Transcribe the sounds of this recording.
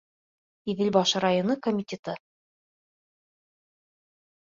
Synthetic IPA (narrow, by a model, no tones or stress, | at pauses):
iðɘlbɒʃɤɾajonɤkomʲitʲet̪ɤ